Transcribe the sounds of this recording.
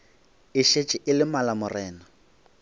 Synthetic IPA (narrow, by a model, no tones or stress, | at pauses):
ɪʃet͡ʃʼɪʔɪlɪmalamʊrɛːna